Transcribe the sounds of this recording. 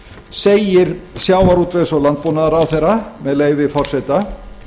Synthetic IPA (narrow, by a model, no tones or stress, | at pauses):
seːjɪɾsjaːwaɾuːt̪vejsɔlant̪̚poːnaðaɾawθejɾamɛðleːjvɪfɔr̥sɛt̪a